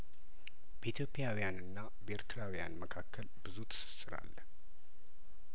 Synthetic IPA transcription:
b̥əit̪ʰjo̞pʰʼːijawijanɨnːa | beɾt̪ʰɨɾawija̰nməkʰakʰːəlbɨzut̪ʰɨ̥sɨ̥sːɨɾa̰lː

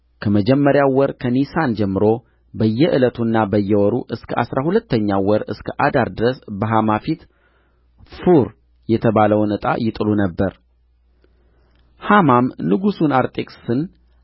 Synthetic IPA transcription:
kʰəməd͡ʒɛmːəɾjawɔɾkʰənisand͡ʒɛmːɨɾo̞ | bəjːɛʔɨlət̪ʰunːabəjːɛwɔɾuʔɨskʰəʔa̰sɾahulət̪ʰːəɲːawɔɾɨ̰skʰəʔad̪aɾd̪ɨɾəsbəɦamafit̪ | fuɾ | jɛt̪ʰəβaləwnɨt̪ʼa̰jɪt̪ʼɨlunəbːəɾ | hamamnɨɡusunaɾt̪ʼekʼsɨn

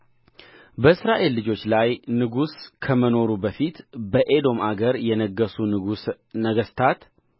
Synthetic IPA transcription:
bəɨsɾaʔe̞lːɨd͡ʒo̞t͡ʃːlajnɨɡuskʰəməno̞ɾubəfit̪bəʔe̞d̪o̞maɡəɾjɛnəɡːəsunɨɡus | nəɡəst̪ʰat̪

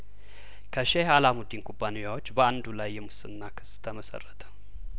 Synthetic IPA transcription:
kʰəʃehalamud̪inkʰʼubːanejawot͡ʃːbəand̪ulajːɛmusɨnːakʰɨ̥st̪ʰəməsə̰rːət̪ʰə̥

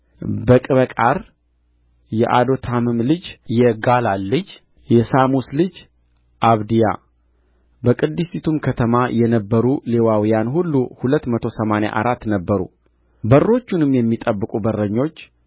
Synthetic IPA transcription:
bəkʼɨβəkʼaɾ | jɛ̰ʔad̪o̞t̪ʰamɨmlɨd͡ʒjɛɡalalːɨd͡ʒ | jɛsamuslɨd͡ʒ | ʔaβd̪ija̰ | bəkʼɨd̪ːɨsit̪ʰumkʰət̪ʰəmajɛnəbːəɾule̞wawijanhulːuhulət̪ːmət̪ʰo̞səmana̰ʔa̰ɾat̪ːnəbːəɾṵ | bərːo̞t͡ʃːunɨmjɛmːit̪ʼəbːɨkʼubərːəɲːo̞t͡ʃː

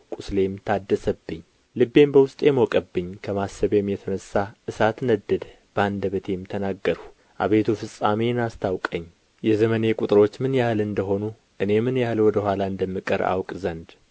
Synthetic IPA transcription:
kʼusle̞mt̪ʰad̪ːəsəbːɨɲː | lɨbːe̞mbəwʊst̪ʼemokʼəbːɨɲːkʰəmasːəβemjɛt̪ʰənəsːaʔɨsat̪nəd̪ːəd̪ | b̥and̪əβət̪ʰe̞mt̪ʰənaɡːəɾ | ʔa̰βet̪ʰufɨsʼaminast̪ʰawkʼəɲː | jɛzəməne̞kʼut̪ʼɨɾo̞t͡ʃːmɨnjahlɨnd̪əɦo̞nu | ʔɨne̞mɨnjahlwɔd̪əhʷwʷalaɨnd̪əmːɨkʼəɾa̰wkʼzənd̪

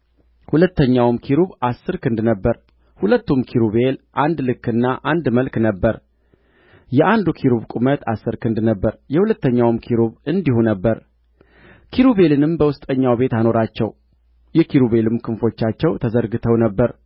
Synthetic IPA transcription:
hulət̪ːəɲːawmkʰiɾuβasːɨɾkɨnd̪nəbːəɾ | hulət̪ːumkʰiɾuβe̞lʔand̪lɨkːɨnːaʔand̪məlknəbːəɾ | jɛʔand̪ukʰiɾuβkʼumət̪ʰasːɨɾkʰɨnd̪nəbːəɾjɛhulət̪ːəɲːawmkʰiɾuβɨnd̪ihunəbːəɾ | kʰiɾuβe̞lɨnɨmbəwʊst̪ʼəɲːawbe̞t̪ano̞ɾat͡ʃːɛ̰w | jɛkʰiɾuβe̞lɨmkʰɨnfo̞t͡ʃːat͡ʃːɛwt̪ʰəzəɾɡɨt̪ʰəwnəbːəɾ

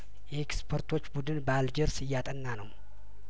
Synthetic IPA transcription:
jɛekspʰəɾt̪ʰo̞t͡ʃːbud̪ɨnbəald͡ʒɪɾsɨjːat̪ʼənːanəw

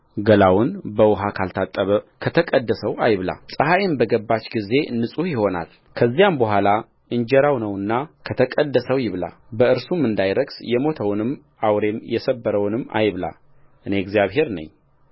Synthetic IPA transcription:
ɡəlawʊnbəwʊɦakʰalt̪ʰat̪ʼːəβəkʰət̪ʰəkʼəd̪ːəsəwajβla̰sʼəɦajɪmbəɡəbːat͡ʃɡize̞nːɨsʼuhjɪho̞na̰l | kʰəzːijambəɦʷala | ɨɲd͡ʒɛɾawnəwɨnːakʰət̪ʰəkʼəd̪ːəsəwjɪβla̰ | bəɨɾsumːɨnd̪ajɾəɡsjɛmo̞t̪ʰəwnɨmː | awɾe̞mjɛsəbːəɾəwnɨmːa̰jβla̰ | ʔɨneɡzijaβhe̞ɾnə̰ɲː

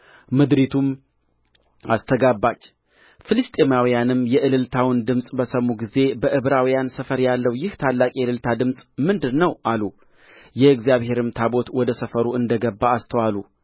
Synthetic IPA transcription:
mɨd̪ɾit̪ʰum | ast̪ʰəɡabːat͡ʃː | fɨlɨst̪ʼemawijanɨmjɛʔɨlɨlt̪ʰawɨnd̪ɨmsʼbəsəmːuɡize̞bəʔɨβɾawijansəfəɾjalːəwjɪht̪ʰalːakʼijlɨlt̪ʰad̪ɨmsʼmɨnd̪ɨnːəwʔalu | jɛɨɡzijaβhe̞ɾɨmt̪ʰabo̞t̪wɔd̪əsəfəɾuɨnd̪əɡəbːaːst̪ʰəwalu

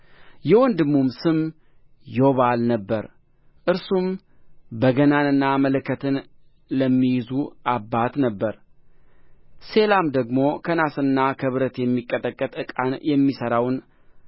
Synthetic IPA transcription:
jɛwɔnd̪ɨmːumsɨm | joβalnəbːəɾ | ʔɨɾsum | bəɡənanɨnːamələkʰːət̪ʰɨn | ləmːijɪzuabːat̪nəbːəɾ | se̞lamd̪əɡmo̞kʰənasɨnːakʰəβɾət̪jɛmːikʼːət̪ʼəkʼːət̪ʼɨkʼanjɛmːisəɾawn

